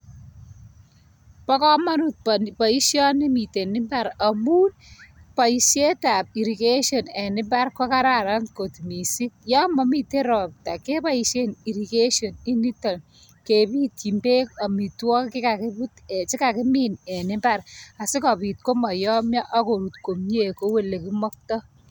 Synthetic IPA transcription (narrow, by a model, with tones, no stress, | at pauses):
pɔ˦kɔ˦ma˦nu˦t̚pɔ˨i˦ʃjɔ˦nɪ˦mi˨te˨nɪ˦mba˦ɾa˨mu˦npa˨i˨ʃje˦ta˨p̚i˨ɾi˨ke˦ʃjɔ˨nɛ˨nɪ˦mba˦rkɔ˦ka˦ɾa˨ɾa˦nkotmi˨si˦k̚jɔ˦mɔ˦mi˨te˦ɾɔ˨p̚ta˨ke˦pa˦i˨ʃe˦ni˨ɾi˨ke˦ʃɔ˨ni˦ni˦tɔ˨n | ke˨pi˦ti˨mbe˦kɔ˨mi˨twɔ˦kkɪ˦ka˨kɪ˦bute˨t͡ʃi˦kakɪ˦mine˨nɪ˦mba˨ra˨sɪ˦kɔ˨pi˨t̚ko˦mɔ˨jɔ˦mja˦ʔɔ˦ko˨ɾu˨tko˨mɲe˦˨ko˦we˦˨le˨ki˦mɔ˦k̚tɔ˦